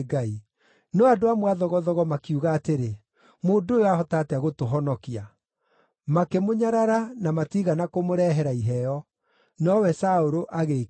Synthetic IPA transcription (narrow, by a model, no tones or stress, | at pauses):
ɡai | nɔadoamwaðɔɣɔðɔɣɔmakiuɣaːteɾe | moːndojoahɔtaːtɛaɣotoɦɔnɔkia | makemoɲaɾaɾanamatiɣanakomoɾɛɦɛɾaiɦɛjɔ | nɔwɛsaoɾoʔaɣe